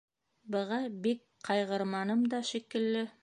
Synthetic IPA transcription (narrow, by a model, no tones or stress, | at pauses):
bɤ̆ʁɑbik | qɑjʁɤ̆ɾmɑnɤmd̪ɑʃikɘ̆lːɘ